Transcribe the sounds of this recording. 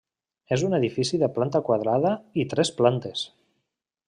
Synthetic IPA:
ezuneðifisiðəplant̪akwað̞ɾaðəit̪ɾɛsplant̪es

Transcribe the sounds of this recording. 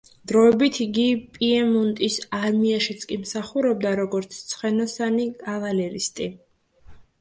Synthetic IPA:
d̪̥ɾɔɛbit̪ʰiɡipʼiɛmunt̪ʼisaɾmiaʃit̪sʰkʼimsaχuɾɛb̚d̪aɾɔɡɔɾt̪sʰt̪sʰχɛnɔsanikʼavalɛlist̪ʼi

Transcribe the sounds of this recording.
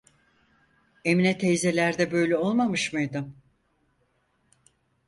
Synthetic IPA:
e̞minɛt̪ʰejze̞lʲæɾd̪ɛbø̞jlʲɛo̞lˠmamɯʃmɯjd̪ɯm

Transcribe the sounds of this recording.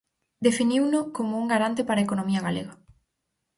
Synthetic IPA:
d̪efiniwnʊkomouŋɡaɾant̪epaɾɐekonomiɐɣalḛɣa

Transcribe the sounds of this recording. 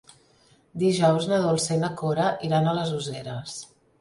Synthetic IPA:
d̪iʒɔwznəðulˠsenəkoɾəʔiɾanələzuzeɾəs

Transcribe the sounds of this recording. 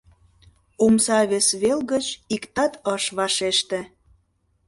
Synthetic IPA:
umsɑβesβelɣət͡ɕikt̪ɑt̪ɤʃβɑʃeʃt̪ĕ

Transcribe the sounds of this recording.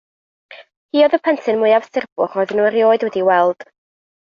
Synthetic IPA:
hiːɔðəpʰɛntʰɨnmʊɨavsɪrb̥ʊχɔjðənuɾjoːɨdwɛdiwɛlˠd̥

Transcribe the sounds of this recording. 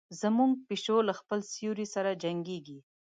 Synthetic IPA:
zəmuŋɡ̚piʃolaxpəlsijuɾisaɾad͡ʒaŋɡeɡi

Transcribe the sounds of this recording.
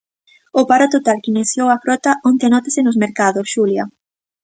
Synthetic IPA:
ʊpaɾot̪ot̪alkineθjowɐfɾɔt̪ɐʔont̪eanɔt̪asɪnʊsmeɾkaðʊsʃuljɐ

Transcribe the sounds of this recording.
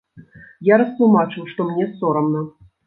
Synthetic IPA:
jaɾɐst̪lˠumat͡ʂɨwʂt̪ɔmnʲɛsɔɾɐmnɐ

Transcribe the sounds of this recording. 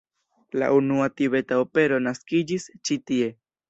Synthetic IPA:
la̰ʔunuat̪ibe̞t̪aope̞ɾo̞naskid͡ʒist͡ʃit̪ie̞

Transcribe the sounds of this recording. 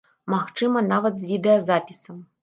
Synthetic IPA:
maxt͡ʂɨmɐnavɐd̪zʲvʲid̪ɛjɐzapʲisɐm

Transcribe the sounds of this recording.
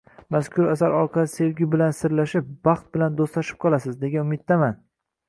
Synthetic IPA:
maskʲʰʊɾasaɾɒɾqʰɑlɪse̞vɡʲʊbɪlansɪɾlaʃɪp̚bɑχt̪̚bɪland̪ost̪laʃɪ̥p̚qʰɒlˠasɪzd̪e̞ɡʲanʊmɪt̪̚ːaman

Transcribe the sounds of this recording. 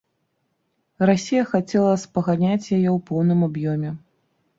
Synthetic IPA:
rasʲijɐxat͡sʲɛlˠɐspɐɣanʲat͡sʲjajɛwpɔwnɨmabjɔmʲɛ

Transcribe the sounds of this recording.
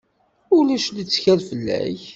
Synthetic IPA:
ʊlæʃlit͡sːçælfəlːæ̰ç

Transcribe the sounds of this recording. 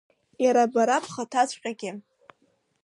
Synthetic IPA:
jaɾabaɾapʰχatʰat͡ɕʷʼqʲʼaɡʲɪ

